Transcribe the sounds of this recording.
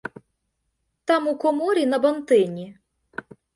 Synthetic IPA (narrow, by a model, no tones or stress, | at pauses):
t̪ɑmukɔmɔɾʲinɐbɐnt̪ɪnʲi